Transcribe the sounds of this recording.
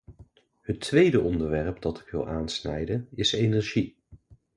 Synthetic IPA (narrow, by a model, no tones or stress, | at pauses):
hətʰʋejdəʔɔndəɹʋɛɹpdɑtɪ̥kʋɪ̰lˠʔaːnsnɛ̰jdənɪsejnɛɹʒi